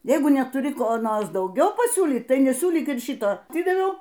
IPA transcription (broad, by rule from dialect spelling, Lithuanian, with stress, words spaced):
ˈjɛɪɡʊ nʲɛtʊˈrʲɪ ˈkoː ˈnoːrs dɐʊˈɡʲɛʊ pɐˈsʲuːlʲiːt ˈtɐɪ nʲɛˈsʲuːlʲiːk ɪr ˈʃʲɪtoː ɐˈtʲɪdɐʋʲɛʊ